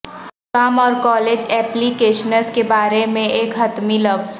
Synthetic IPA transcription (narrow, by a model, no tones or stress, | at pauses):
kaːmɔːɾkɔːled͡ʒɛːplikeːʃənəskebaːɾemẽeːkɦɐt̪milɐʋz